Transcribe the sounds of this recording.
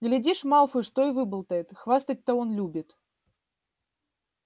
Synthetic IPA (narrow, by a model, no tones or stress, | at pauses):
ɡlʲɪdʲiʂmalˠfɨʂt̪oɪvɨbəlˠt̪əjɪt̪xvast̪ət̚ʲt̪əonlʲubʲɪt̪